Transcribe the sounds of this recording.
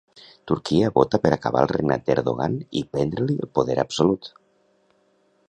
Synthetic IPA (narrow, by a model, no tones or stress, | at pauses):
t̪uɾkiəβot̪apəɾakaβalˠreɡna̰t̪̚d̪eɾðoɣ̞anḭpɛnd̪ɾəliəlˠpoðɛɾapsolut̪